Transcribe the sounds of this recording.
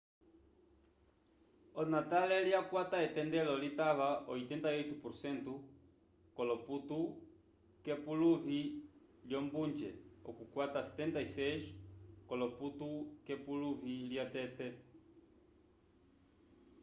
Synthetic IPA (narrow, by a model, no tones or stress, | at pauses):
ɔnatalɛljakwataɛtɛndɛlɔlitaβaʔɔit̪ɛntajɔjt̪upuɾsɛntu | kɔlɔputu | kɛpuluvi | ljɔmbund͡ʒɛ̰ɔ̰kukwatasɛ̥tɛntaisɛʃkɔlɔputukɛpuluviljatɛtɛ